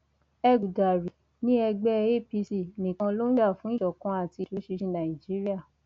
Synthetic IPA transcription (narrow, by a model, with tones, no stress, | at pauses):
ɛ˧ɡu˨da˨ɾi˨ | nĩ˦ɛ˧ɡ͡bɛ˦˧e˦˨pi˧si˦˨nĩ˨kã˧lo˦a˦˨fũ˨˦i˦˨ʃɔ˨kã˧˦a˦˨ti˧˨lo˨˦ʃi˧ʃi˧nã˨i˨d͡ʒi˨˦ɾi˦a˦˨